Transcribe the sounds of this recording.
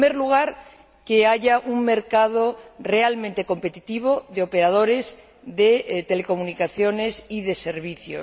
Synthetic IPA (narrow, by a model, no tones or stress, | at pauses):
meɾluɣ̞aɾ | ke̞aʝaʔuŋme̞ɾkað̞ore̞almẽnt̪e̞ko̞mpe̞t̪it̪iβ̞o̞ðeo̞pe̞ɾað̞o̞ɾe̞z | ðe̞t̪e̞le̞ko̞munikaθjo̞ne̞siðe̞se̞ɾβ̞iθjo̰